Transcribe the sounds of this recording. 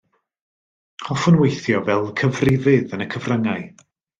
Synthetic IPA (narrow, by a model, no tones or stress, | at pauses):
hɔfʊnwejθjɔvɛlˠkʰəvrɪvɪðənəkʰəvrəŋaɨ